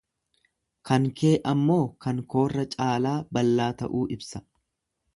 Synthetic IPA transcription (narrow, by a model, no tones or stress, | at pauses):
kɐŋkʰe̞ːʔɐmːo̞ːkɐŋko̞ːrːɐt͡ʃʼaːlaːbɐlːaːt̪ɐ̰ʔuːʔɪbsɐ̥